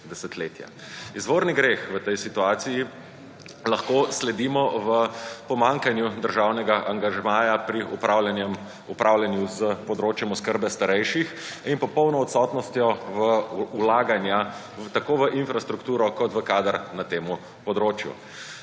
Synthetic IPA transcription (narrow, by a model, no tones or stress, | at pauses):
d̪ɛsɛt̪leːt̪ja̰ | izʋoːɾniɡɾeːxʋət̪ɛjsit̪uaːt̪siji | lɐxkoslɛd̪iːmɔʋəpɔmaŋkanjud̪əɾʒawnɛɡaʔaŋɡaʒɛmaːjapɾiupalɛnɛm | upɾʔawljɛnjuzəpɔd̪ɾoːt͡ʃjɛmɔskəɾbɛst̪aɾɛjʃixinpɔpɔwnɔːt̪sɔt̪nɔst̪jɔʋəulaːɡanja | t̪akoːʋəʔinfɾast̪ɾukt̪uːɾɔkɔt̪ʋəkaːd̪əɾnat̪eːmu | pɔd̪ɾoːt͡ʃjṵ